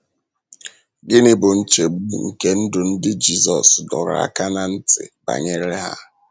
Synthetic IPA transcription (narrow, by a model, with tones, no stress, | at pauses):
ɡɪ˦nɪ˦bʊ˨n̩˦t͡ʃe˨ɡ͡bu˦ŋ̩˨ke˦n̩˦dʊ˨n̩˦dɪ˦d͡ʒi˦zɔ˨sdɔ̰˨ɾ̰a̰˦ka˦na˨n̩˦tɪ̰˨ba̰˨ɲe˦ɾe˦ɦa̰˦